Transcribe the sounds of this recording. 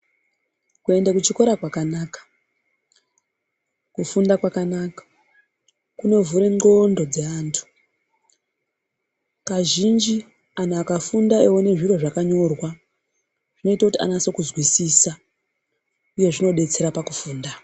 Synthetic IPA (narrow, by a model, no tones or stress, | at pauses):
kue̞ndakut͡ʃiko̞ɾakwakanaːkḁ | kufundakwakanakḁ | kune̞vuɾe̞ŋo̞ndo̞d͡ze̞aːntʰu̥ | kaʒind͡ʒi | anaakafundaewone̞ʐiro̞ʐakaɲo̞rwa | ʐ̥ino̞itakutia̰naso̞kuzwisisa | uje̞ʐino̞ɗe̞t͡se̞ɾapakufuːnda